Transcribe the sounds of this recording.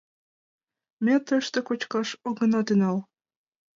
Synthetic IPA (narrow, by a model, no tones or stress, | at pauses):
mʲæt̪ə̆ʃt̪ĕkot͡ɕkɑʃoɡɤ̆nɑt̪ynɑl